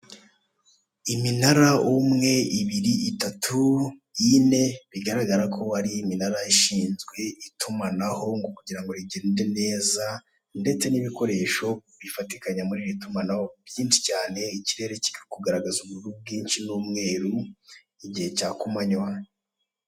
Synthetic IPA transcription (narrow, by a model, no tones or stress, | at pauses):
iminaɾaumŋe̞iβiɾiitatʰujine̞βiɡaɾaɡaɾakʰo̞aɾiːminaɾaiʃiːnzɡwe̞itʰumanaho̞ŋɡo̞kuɟiɾaŋɡo̞ɾiɟe̞ːnde̞ne̞ːza | nde̞t͡se̞niβiko̞ɾe̞ːʃo̞βifatikaɲamuɾiɾitumanaho̞βjiːnʃi̥caːne̞iciɾe̞ːɾe̞ci̥kikuɡaɾaɡazuβuɾub̚ɡiːnʃinuːmŋe̞ːɾu | iɟihe̞caːkumaɲwa